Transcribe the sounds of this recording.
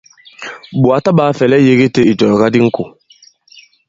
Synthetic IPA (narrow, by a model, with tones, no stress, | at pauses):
bu˨a˨ta˦baː˨˦fɛ˨lɛ˦je˦ɡe˦te˦i˨d͡ʒɔ˨jɔ˨ɡa˦di˦ŋ̩˦ko˨